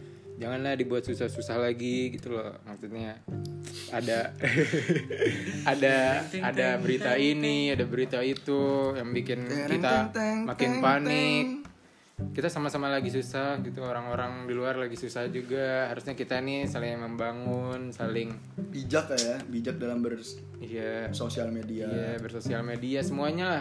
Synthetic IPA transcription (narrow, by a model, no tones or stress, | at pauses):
d͡ʒaŋanlahdibuat̪susahsusahlaɡiɡit̪ulɔhwaksut̪̚ɲaː | da | adaːdabəɾit̪ainiadabəɾit̪ait̪ujaŋbikɪnkit̪amakɪnpanɪk̚ː | it̪asamasamalaɡisusahɡit̪uoɾaŋoɾaŋdiluarlaɡisusahd͡ʒuɡaɦaɾusɲakit̪anisalɪŋŋməmbaŋʊnsalɪŋ | bid͡ʒakajabid͡ʒak̚dalambər | ijasosialmediaabərsosialmediasəmuaɲalah